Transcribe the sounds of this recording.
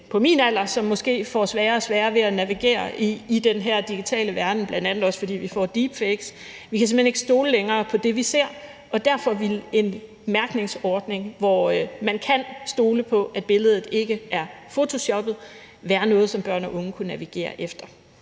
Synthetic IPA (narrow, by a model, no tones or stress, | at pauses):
pʰɒ̽mḭːnæl̰ɐsɒ̽mːɒ̽sɡ̥e̝̰ːfɒsʋɛːɐsʋɛːɐʋe̝ænæʋiɡ̥e̝̰ːɐiːd̥enɦæɐ̰d̥iɡ̥it͡sʰɛ̰ːləʋæɐd̥n̩b̥lænd̥ænð̩ˠɒ̽sfɒ̽d̥ḭːʋifɒ̰d̥iːb̥feɡ̥s | ʋikʰæse̝mhene̥əsd̥o̝ːləleŋɐːpʰɒ̽d̥e̝ʋise̝ɐ̰ | ʔɒ̽d̥æɐfɒ̽ʋile̝n | mæɐɡ̥ne̝ŋsɒːd̥ne̝ŋʋɒmænkʰænsd̥o̝ːləpʰɒ̽ʔæd̚b̥e̝ləð̞ˠð̩ˠe̝ɡ̥əʔæɐfo̝t͡sʰo̝ɕɒ̽b̥ð̩ˠ | ʋæːɐnɔ̽ːð̞̩ˠsɒ̽mb̥ɶɐ̰nɒ̽ʔɔ̽ŋəkʰunæʋiɡ̥e̝̰ːɐʔefd̥ɐ